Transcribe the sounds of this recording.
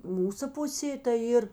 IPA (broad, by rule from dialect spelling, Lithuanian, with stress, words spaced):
ˈmuːsɐ ˈpʊsʲeː tɐɪ ˈiːr